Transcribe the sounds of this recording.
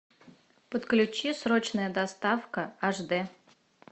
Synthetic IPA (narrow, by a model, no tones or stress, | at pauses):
pət̪klʲʉt͡ɕisɾot͡ɕnəjəd̪ɐst̪afkəaʐd̪ɛ